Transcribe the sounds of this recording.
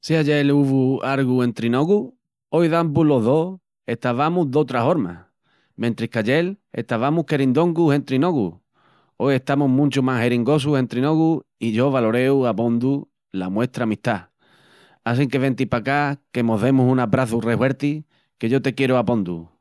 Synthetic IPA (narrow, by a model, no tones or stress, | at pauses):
siaʝeluβuaɾɣue̞nt̪ɾino̞ɣu | ojðambulo̞ɦðo̞ | e̞ht̪aβamuðo̞t̪ɾaɦo̞ɾma̰ | mẽnt̪ɾihkaʎe̞le̞̰ht̪aβamuhke̞ɾind̪o̞ŋɡuse̞nt̪ɾino̞ɣṵ | o̞je̞ht̪amuɦmũnt͡ʃumahe̞ɾiŋɡo̞s̬uhe̞nt̪ɾino̞ɣuiʝo̞βalo̞ɾe̞uapo̞nd̪u | lamwe̞t̪ɾaːmit̪a | asiŋke̞βe̞nt̪ipakake̞moðe̞musunapɾaθure̞hwe̞ɾt̪i | ke̞ʝo̞t̪e̞kje̞ɾuapo̞nd̪ṵ